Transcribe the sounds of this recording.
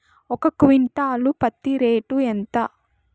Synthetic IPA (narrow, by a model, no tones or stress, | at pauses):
ɔkɐkʋiɳʈaːlupɐt̪ːiɾeːʈuent̪ɐ